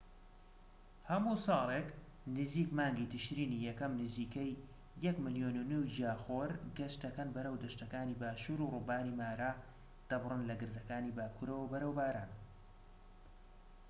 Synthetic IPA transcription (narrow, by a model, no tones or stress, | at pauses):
hɐmusɑːlˠek | nɨziːkmaːŋɡit̪ʰɨʃɾiːnijɛkɐmnɨziːkejː | ɛkmɨljoːnunuwd͡ʒaːxoːɾɡɐʃt̪d̪ɐkɐnbɐɾəwd̪ɐʃt̪ɐkaːniːbaːʃuːɾuruːbaːnimaːɾaː | d̪̥ɐbrɨnlɐɡɨɾd̪ɐkaːniːbaːkʰuɾəwɐbɐɾəwbaːɾaːn